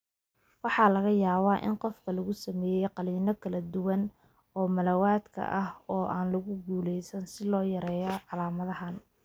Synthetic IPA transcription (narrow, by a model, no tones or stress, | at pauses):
wɑħɑːlɐɣɐjaːβaːʔɪ̰nqɔfkʰɐlɐɣʊsɐmɛːjɛjqɑliːnɔkʰɐlɐd̪ʊwɐn | ɔːmɐlɐwaːd̪kʰɐ̰ʔɐhɔːʔaːnlɐɣʊɡuːlɛjsɐnsɪlɔːjɐɾɛːjɔʕɑlaːmɐðɐɦɐn